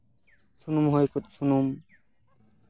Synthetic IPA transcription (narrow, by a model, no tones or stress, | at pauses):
sunumɦɔjkot̪sʰunum